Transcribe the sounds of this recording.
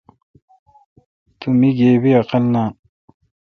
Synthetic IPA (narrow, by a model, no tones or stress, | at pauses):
t̪umiɡeːbiaqɐlna